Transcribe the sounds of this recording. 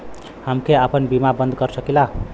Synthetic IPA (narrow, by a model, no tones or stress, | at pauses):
hamkʰeapʌnbimabʌnd̪ɡʌɾsʌkila